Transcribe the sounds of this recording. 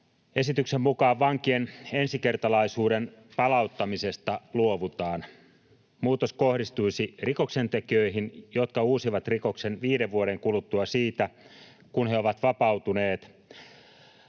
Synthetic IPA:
e̞sit̪yksemmukɑːʋːɑŋkiene̞nsike̞rt̪ɑlɑisuːde̞npɑlɑut̪ːɑmise̞st̪ɑluo̞ʋut̪ɑːn | muːt̪o̞sko̞hdist̪ujsiriko̞kse̞nt̪e̞kiø̞iɦinjo̞t̪kɑuːsiʋɑt̪riko̞kse̞nʋiːde̞ʋʋuoɾe̞ŋkulut̪ːuɑsiːt̪æ | kunheoʋɑt̪ʋɑpɑwt̪une̞ːt̪

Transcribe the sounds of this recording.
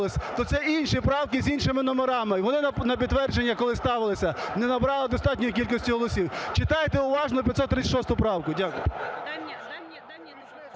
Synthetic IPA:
lˠɪsʲt̪ɔt̪sɛʔinʲʃipɾɑwkɪzʲinʃɪmɪnɔmeɾɑmɪʋɔnɪnɐp̬ʲid̪ʋɛrd͡ʒenʲːɐkɔlˠɪst̪ɑʋɪlˠɪsʲɐnɛnɐbɾɑlˠɪd̪ɔst̪ɑtʲnʲɔjik̬ʲilʲkɔsʲtʲiɦɔlˠɔsʲiwt͡ʃɪt̪ɑjet̪ɛʊʋɑʒnɔpʲɐt̪sɔt̪ːɾɪʃɔst̪ʊpɾɑwkʊdʲakʊ̰jʊ

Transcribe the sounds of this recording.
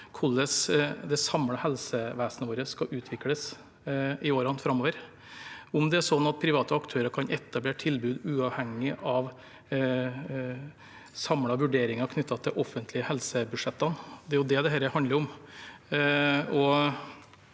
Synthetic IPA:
kʰʊlːəsd̪ɛsɑmɽɑhɛlsəʋæːsnəʋoːɾəskɑʔʉːt̪ʰʋɪkləs | ɪoːɾɑnfɾɑmːoːʋəɾ | ʊmd̪ɛæʂɔnːɑt̪̚pʰɾɪʋɑːt̪əɑkt̪ʰøːɾəkʰɑnɛt̪ːɑbleːʈʰɪlbʉːd̪ʉːɑʋhɛŋːɪʔɑʋ | sɑmɽɑʋʉɖeːɾɪŋɑkʰnʏt̪ːɑt̪ʰɪlʔɔfːənt̪ʰlɪəhɛlsəbʉd̪ʂɛt̪ːɑnd̪ɛæɾjʊd̪ɛd̪ɛɦæːɾəhɑnd̪əɾʊm | ɔ

